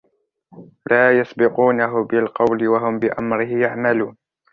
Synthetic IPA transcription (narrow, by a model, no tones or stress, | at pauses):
laːjasbɪquːnaɦʊbɪlqɑwlɪwaɦʊmbɪʔamɾɪhɪjaʕmaluːn